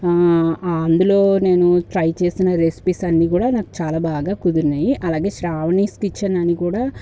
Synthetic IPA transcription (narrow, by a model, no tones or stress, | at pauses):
ɐnd̪ulo̞ːne̞ːnuʈɾɐjt͡ʃe̞ːsinɐɾespisɐnːiːkuːɽaːnaːku̥t͡ʃaːlaːbaːɡaːkud̪uɾnːaːjiʔɐlaːɡe̞ːʃɾaːʋniːskit͡ʃːaːnɐnikuːɽaː